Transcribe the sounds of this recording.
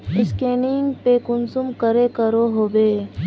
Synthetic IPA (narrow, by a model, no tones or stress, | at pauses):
ɪskeːnɪŋɡpekʊnsʊmkəɾekəɾoɦoːbeː